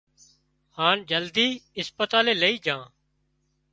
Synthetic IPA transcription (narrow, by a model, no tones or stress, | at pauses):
haːnd͡ʒəld̪iːɪspət̪aːleːləiːd͡ʒãː